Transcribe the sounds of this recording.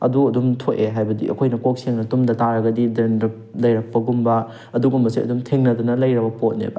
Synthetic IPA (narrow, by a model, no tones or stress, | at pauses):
ɐ̰duɐdumtʰoteɦajbɐdḭʔɐ̰kʰojnɐkok̚seŋnɐtumdɐtaɾɐɡɐdidɐnɾɐ | lɐjɾɐk̚pɐɡumbɐ | ɐduɡumbɐsiɐ̰dumtʰeŋnɐdunɐlɐjɾɐbɐpot̚nḛbɐ